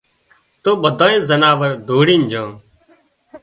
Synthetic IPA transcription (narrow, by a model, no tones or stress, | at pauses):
t̪oːɓəd̪ʱãːẽːzənaːʋəɾd̪ʱoːɽiːnd͡ʒãː